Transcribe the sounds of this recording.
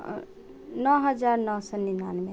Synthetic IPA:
nɔɦəd͡ʒaɾnɔsɔninanme

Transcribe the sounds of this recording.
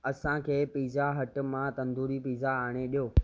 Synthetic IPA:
ɐsãkʰeːpiːzaɦɐʈmãt̪ɐ̃nd̪uːɾipiːzaaːɽ̃eɗijoː

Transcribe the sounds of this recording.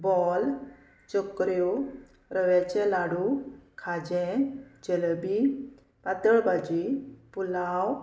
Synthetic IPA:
bɔl | t͡ɕokɾjo | ɾəʋjat͡ɕɛlaɽukʰad͡ʑɛ̃d͡ʑelbi | pat̪əɭbad͡ʑipulaw

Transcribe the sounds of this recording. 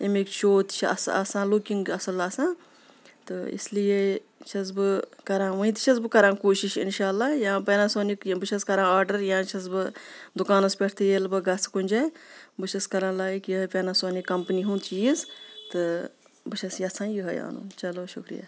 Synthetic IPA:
emekʃoːt̪t͡ʃʰɐ̰sɐ̰sãːlukiŋɡɐsɐlaːsãː | t̪ɨḭslije | t͡ʃʰɐs̬bɨkɐɾãːʋɐ̃ĩt̪i̥t͡ʃʰɐsbɨkɐɾãːkoːʃiʃḭnʃaːlːaːjãːpeːnasoːnikbɨʃʰɐskɐɾãːaːɾɖɐɾjãːt͡ʃʰɐs̬bɨd̪ukaːnɐspʲeʈʰt̪ʰejelbɨɡɐskunʲd͡ʒaːbɨʃɐskɐɾãːlaːjikjiɐpʲeːnasoːnikɐmpniɦũnt̪ʰt͡ʃijist̪ɨ | bɨʃʰɐsjɐsãːnjɨɦɐja̰ːnṵːnt͡ʃɐloːʃukɾḭja̰ː

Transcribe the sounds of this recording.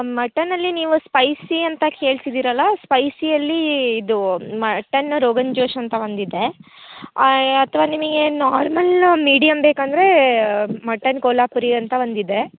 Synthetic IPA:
mɐʈːɐnːɐlːiniːʋuspɐjsiɐnt̪ɐke̞ːɭsid̪iːɾɐlːɐspɐjsijɐlːiːd̪umɐʈːɐnɾoːɡɐɲd͡ʒoːʂɐnt̪ɐʋɐnd̪id̪e | ɐt̪ʰʋaːnimɐɡe̞naːɾmɐlmiːɽijɐmbeːkɐnd̪ɐɾe̞ | mɐʈːɐnkoːlaːpuɾiɐnt̪ɐɐnd̪id̪e̞

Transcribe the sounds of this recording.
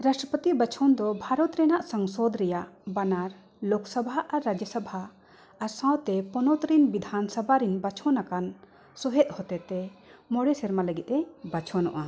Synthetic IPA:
ɾasʈɾəpət̪ibat͡ʃʰɔnd̪ɔbʱaɾɔt̪ɾɛnaʔsəŋsɔd̪ɾɛjaʔbanaɾ | loksəbʱaʔaɾːad͡ʒəsabʱaː | ɾsãwt̪ɛpɔnɔt̪ɾinbid̪ʱansabʱaɾinbat͡ʃʰɔnakan | sɔɦɛt̪̚hɔt̪ɛt̪ɛmɔɽɛsɛɾmaləɡit̪̚ˀɛbat͡ʃʰɔnɔ̰ʔa

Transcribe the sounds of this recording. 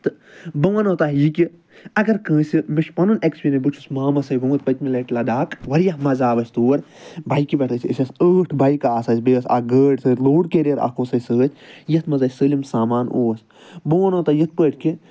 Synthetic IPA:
t̪ɨbɐʋɐnoːt̪aɦiːkʲi | ɐɡɐɾkə̃ːsimiʃpɐnunekspʲinɐbɨt͡ʃʰusmaːmɐsɐjɡũːt̪̚pɐt̪ʲmilɐʈlɐd̪aːkʋɐɾjɐhmɐzaːʋɐsʲt̪uːɐɾ | bʱɐjkibʲɐʈʰɨːsʲisʲɐsəːʈʰbɐjkaaːsɐːsʲbeːɐsa̰ɡəːʈsɨːɾloːɽkeɾeɾa̰koːsɐsəːt̪ʲʰjɐt̪mɐzɐːsəːlimsaːmaːno̰ːɐsʲ | bɐʋɐnoːt̪aːjɐt̪̚pəːʈʰʲki

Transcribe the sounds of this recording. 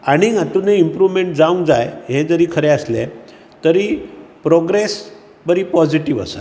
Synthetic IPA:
aɽ̃iŋat̪uneimpɾuʋmeɳʈd͡zaũŋd͡zajɦẽd͡zəɾiːkʰəɾeəsle | t̪əɾiːpɾoɡɾes | bəɾiːpɔd͡ziʈiʋə̰sa̰

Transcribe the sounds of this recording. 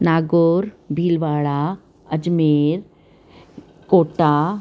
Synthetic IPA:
naːɡoːɾ | bʱiːlʋaːɭa | ɐd͡ʒmeːɾ | koːʈa

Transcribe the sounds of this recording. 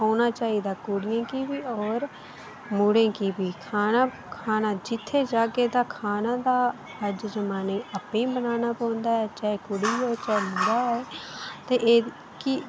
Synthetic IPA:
ɦoːnaːt͡ʃaːiːd̪aːkʊɽɪjãːkiːbiːɔːɾ | muːɽẽːkiːbiːkʰaːnaː | kʰaːnãːd͡ʒɪt̪ʰːeːd͡ʒaːkeːt̪aːkʰaːnãːd̪aː | əd͡ʒd͡ʒəmaːnẽːəpẽːbənaːnaːpãːnd̪aːɛːt͡ʃaːekʊɽiːoːt͡ʃaeməʊdaːɛːt̪eːʔeː | ki

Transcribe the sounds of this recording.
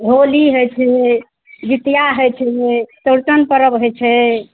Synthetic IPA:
ɦoliɦojt͡ʃʰɛ | ʋit̪jaɦojt͡ʃʰɛt̪əɾt͡ʃənpəɾəbɦojt͡ʃʰɛ

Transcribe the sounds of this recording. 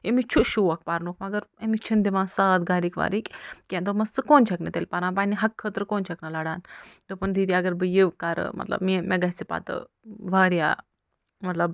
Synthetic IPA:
emit͡ʃʰuʃuʋɐk̚paːɾnokʰmɐɡɐɾemit͡ʃʰind̪iʋãːsaːt̪ɡaːɾiːkʋa̰ːɾikʲkʲẽnd̪omɐst͡sɨkoːnt͡ʃʰɐknɐt̪eːlʲpaɾãːnpaːniɦɐkʰːət̪ɾkoːnt͡ʃʰɐknɐlaɽaːnt̪opɐnd̪id̪iaɡɐɾbɨjiʋkaːɾ̰mɐ̰t̪lɐ̰bmimʔeɡɐsipa̰ːt̪ɨ̰ | ʋaːɾja̰ː | mɐt̪lɐb

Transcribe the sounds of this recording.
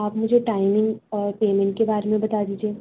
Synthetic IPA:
aːpmʊd͡ʒʱeʈaːɪmɪ̃ŋɡɔːɾpeːmɛ̃ɳʈ̚kebaːɾemẽbɐt̪ad̪iːd͡ʒieː

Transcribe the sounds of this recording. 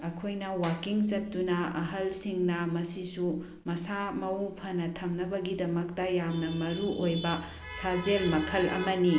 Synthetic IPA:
ɐkʰojnɐwakiŋsɐtːunɐɐɦɐlsiŋnɐmɐsisu | mɐsamɐupʰɐnɐtʰɐmnɐbɐɡidɐmɐktɐjamnɐmɐɾuʔojbɐ | sazelmɐkʰɐlɐ̰mɐni

